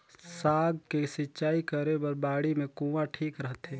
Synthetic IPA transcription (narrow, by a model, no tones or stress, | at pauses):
saːɡ̚kesɪtːt͡ʃaːikəɾebəɾbaːɽimẽkũːʋaʈʰiːkɾəɦt̪ɦɛː